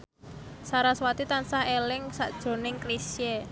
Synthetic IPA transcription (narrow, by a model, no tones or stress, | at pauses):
saɾaswat̪it̪ansahelɪŋsaʔd̥ʒ̥o̤nɪŋklisje